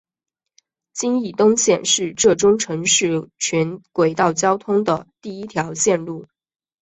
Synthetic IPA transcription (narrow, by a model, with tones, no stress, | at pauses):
t͡ɕi˥ni˥˩t̪ʊ˥ŋɕjɛ˥˧˩nʂɻ̩˥˧ʈ͡ʂɤ˥˩ʈ͡ʂʊ˥ŋʈ͡ʂʰɤ˧˥ŋʂɻ̩˥˩t͡ɕʰɛ˧˥nkwe˨˩ɪt̪ɑ˥˩ʊt͡ɕjɑ˥ʊt̪ʰʊ˥ŋd̪ə˨t̪i˥˩i˥t̪ʰjɑ˧˥ʊɕjɛ˥˧nlu˥˩